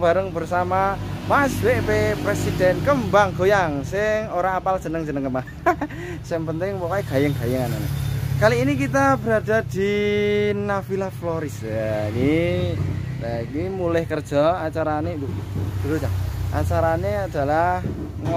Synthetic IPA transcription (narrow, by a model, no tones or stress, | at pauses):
b̥aɾəŋbərsamamasweʔpepɾesid̥ɛnkəmbaŋɡojaŋsɪŋoɾaapald͡ʒ̥ə̤nəŋd͡ʒənəŋkəmba | sɪŋpənt̪ɪŋpokaiɡ̥a̤jəŋɡ̥ajəŋananḛkaliːnikit̪̬ab̥əɾada̤d̪̥i | nafilaflɔɾɪsaki | lakimulɪhkərd̥ʒ̥ɔ̤at͡ʃaɾaned̪ud̪̥uɾut͡ʃaʔa̰t͡ʃaɾanead̥a̤lah | ŋ